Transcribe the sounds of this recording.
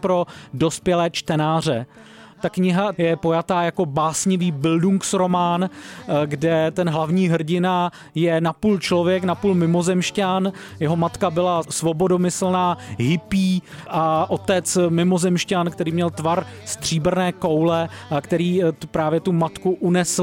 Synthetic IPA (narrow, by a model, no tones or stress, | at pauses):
pɾo̞do̞spjɛlɛːt͡ʃt̪ɛnaːr̝ɛt̪akɲɪɦajɛpo̞jat̪aːjako̞baːsɲɪviːbɪlduŋksɾo̞maːnɡdɛt̪ɛnɦlavɲiːɦr̩ɟɪna | jɛnapuːlt͡ʃlovjɛknapuːlmɪmo̞zɛmʃcan | jɛɦo̞mat̪kabɪlasvo̞bo̞do̞mɪsl̩naːɦɪpiːʔaʔo̞t̪ɛt͡smɪmo̞zɛmʃcankt̪ɛɾiːmɲɛlt̪vaɾst̪r̝̥iːbrnɛːko̞wlɛkt̪ɛɾiːpɾaːvjɛt̪umat̪kuʔunɛs